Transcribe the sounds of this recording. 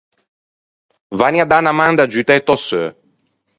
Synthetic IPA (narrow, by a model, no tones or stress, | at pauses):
vaniad̪anamand̪ad͡ʒyt̪ajt̪ɔsø